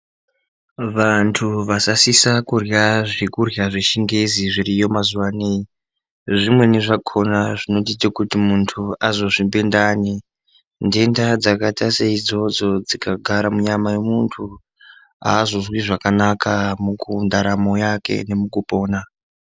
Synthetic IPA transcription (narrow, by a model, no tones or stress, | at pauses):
ʋantʰuʋasasisakurjaʐikurjaʐiʃiŋɡeziʐiɾijo̞mazuʋanei | ʐimwe̞neʐakʰo̞naʐino̞t̬itakutimuntʰuazo̞ʐimbendaːni | nde̞ndad͡zakataseid͡zo̞d͡zo̞d͡zikaɡʱaɾamuɲamaje̞muntʰu | a̰ːzo̞zwiʐakanakʰamukundaɾamo̞jake̞̰ne̞mukupo̞ːna